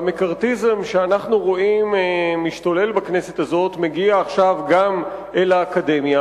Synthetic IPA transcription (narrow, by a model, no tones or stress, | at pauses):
mekaʁtizemʃeanaχnuʁo̞immiʃtole̞lbakne̞set̪azo̞t̪meɡiaːχʃavɡamʔelaːkade̞mja